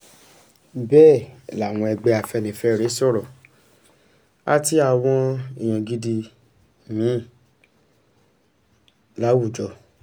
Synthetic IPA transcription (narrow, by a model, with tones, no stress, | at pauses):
bɛː˦˨la˨w̃ɔ̃˧ɛ˧ɡ͡bɛ˧a˨fɛ˧nĩ˨fɛ˧˦˨ɾe˨˦sɔ˦˨ɾɔ˨ | a˦ti˦a˨w̃ɔ̃˧i˨j̃ɔ̃˨ɡi˧di˧ | nĩ˨˦˨ | la˨˦wu˦˨d͡ʒɔ˧˨